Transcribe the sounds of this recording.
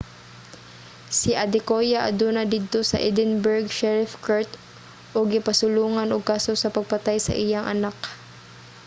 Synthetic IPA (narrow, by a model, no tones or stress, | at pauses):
sɪʔɐd̪ɪkojaʔɐ̰d̪uːnɐd̪id̪̚t̪osɐ̰ʔid̪ɪnbɛɹɡʃɛɹɪfkaɹt̪ | ʔoɡɪpɐsʊluːŋɐnoɡ̚kaːsosɐpɐɡ̚pɐt̪ajsɐ̰ʔɪjaŋʔɐ̰nak